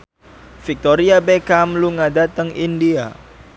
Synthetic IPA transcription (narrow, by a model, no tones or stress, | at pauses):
fik̚t̪oɾiabekamluŋadat̪əŋʔindia̰